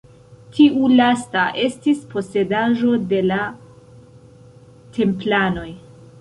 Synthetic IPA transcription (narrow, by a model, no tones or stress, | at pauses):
tʰiʔulastaʔe̞stispo̞se̞daʒo̞de̞la | tʰe̞mplano̞j